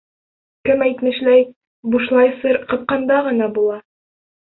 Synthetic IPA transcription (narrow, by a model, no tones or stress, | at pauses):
kɘmæjt̪mɘ̆ʃlæj | buʃlˠɑjsɤɾqɤ̆p̪̚qɑnd̪ɑʁɤ̆nɑbulˠɑ